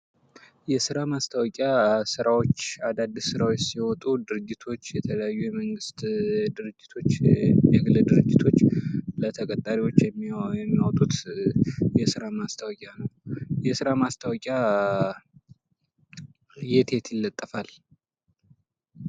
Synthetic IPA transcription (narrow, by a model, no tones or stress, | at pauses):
jɛsɨɾamast̪ʰəwɔkʼjasɨɾawo̞t͡ʃːad̪ad̪ɨsɨɾawt͡ʃːsiwɔt̪ʼud̪ɨɾɨd͡ʒːɪt̪ʰo̞t͡ʃːjɛt̪ʰələjajːujɛməŋɡɨst̪d̪ɨɾɨd͡ʒːɪt̪ʰo̞t͡ʃːjɛɡɨləd̪ɨɾɨd͡ʒːɪt̪ʰo̞t͡ʃːlət̪ʰəkʼət̪ʼːaɾiwo̞t͡ʃːjɛmːɛmːiawt̪ʼut̪ | jɛsɨɾamast̪ʰəwɔkʼjanəwjɛsɨɾamast̪ʰəwɔkʼja | je̞t̪ʰe̞t̪jɪlːət̪ʼːəfal